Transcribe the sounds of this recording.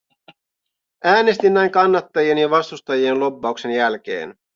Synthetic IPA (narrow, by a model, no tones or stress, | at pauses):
æːne̞st̪inːæjŋkɑnːɑt̪ːɑjienjɑʋɑst̪ust̪ɑjienlo̞pːɑukse̞njælk̟e̞̰ːn